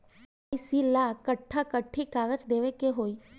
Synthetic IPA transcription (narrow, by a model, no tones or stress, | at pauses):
ɪsilaːkəʈʰːakəʈʰːikaːɡət͡ʃd̪eːʋekeɦoːiː